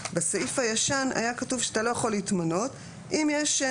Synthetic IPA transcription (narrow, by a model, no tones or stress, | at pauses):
besaifhajaʃana̰jakatuvʃatalo̞jaχo̞litmano̞t | ʔimjeʃ